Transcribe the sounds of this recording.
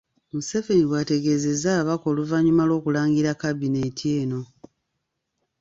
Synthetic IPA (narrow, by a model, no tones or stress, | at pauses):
museve̞niɡwate̞ɡe̞ze̞zaːβako̞ːluvaɲumalwo̞ːkulaːŋɡiɾakaβine̞tʰie̞ːno̞